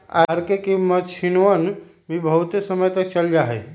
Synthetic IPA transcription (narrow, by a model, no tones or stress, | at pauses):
aɾkekemət͡ʃʰinən | bʱibəɦut̪esəməjt̪ək̚t͡ʃəld͡ʒaɦɛ